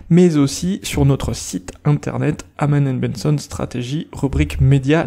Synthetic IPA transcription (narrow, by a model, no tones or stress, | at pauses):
mɛzosisyʁnɔt̪χəsit̪ɛ̃t̪ɛ̰ʁnɛt̪amanɛnbɛnsɔnst̪χa̰t̪eʒiʁybʁikmed̪ja